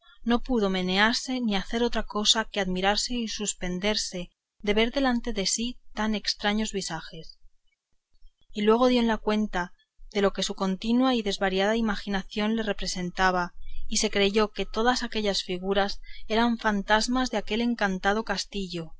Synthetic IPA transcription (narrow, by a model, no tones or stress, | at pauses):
no̞puðo̞me̞ne̞aɾse̞niaθe̞ɾo̞t̪ɾako̞sakeaðmiɾaɾse̞isuspe̞nd̪e̞ɾse̞ | ðe̞βe̞ɾðe̞lant̪e̞ðe̞sit̪ane̞kst̪ɾaɲo̞zβisaxe̞s | ilwe̞ɣ̞o̞ðjo̞enlakwe̞nt̪a | ðelo̞ke̞suko̞nt̪inwaiðe̞zβaɾjaðaimaxinaθjo̞nle̞re̞pɾe̞se̞nt̪aβ̞aise̞kɾe̞ʝo̞ke̞t̪o̞ðasake̞ʎasfiɣ̞uɾase̞ɾaɱfant̪azmazðeake̞le̞ŋkant̪að̞o̞kast̪iʎo̞